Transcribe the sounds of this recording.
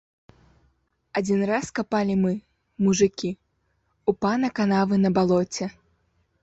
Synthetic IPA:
ad͡zʲinraskapalʲimɨ | muʐɨkʲi | upanɐkanavɨnɐbalˠɔt͡sʲɛ

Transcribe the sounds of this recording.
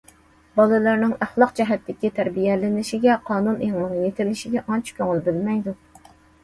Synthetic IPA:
bɑlˠɨlˠɨɾnɪŋæχlˠɑq̚d͡ʒɛɦɛt̪ʰːɪkʲit̪ʰæɾbijɛlɪnɪʃɪɡʲɛqʰɑːnuneŋnɨŋjet̪ʰɪlɪʃɪɡʲɛʔɑnt͡ʃʰi̥kʲʰøŋɪlbɪlmɛjd̪u

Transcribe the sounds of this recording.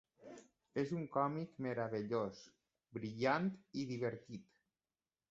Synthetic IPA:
ezuŋkɔmikmeɾaβeʎos | bɾiʎant̪iðiβeɾt̪it̪

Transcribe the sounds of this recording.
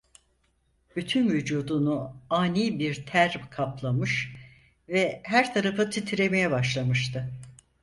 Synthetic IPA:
b̥yt̪ʰynvyd͡ʒuːd̪unuaːniːbiɾt̪ʰæɾkʰaplˠamɯʃ | vɛɦæɾt̪ʰaɾafɯt̪ʰit̪ʰiɾe̞me̞jɛbaʃlˠamɯʃt̪ʰɯ

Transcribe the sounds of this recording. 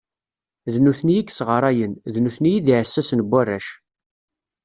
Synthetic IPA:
ðnuθnijikːsʁəɾˤɑjənðnuθnijiðiʕsːæsənbʷːærːæʃ

